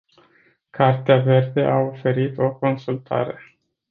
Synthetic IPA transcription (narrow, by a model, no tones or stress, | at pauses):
kʰart̪eave̞rd̪e̞ʔao̞fe̞ɾit̪o̞ko̞nsult̪a̰ɾe̞